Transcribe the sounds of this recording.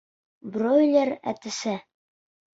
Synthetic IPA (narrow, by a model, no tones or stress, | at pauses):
brojlʲeɾæ̰t̪ɘ̆sæ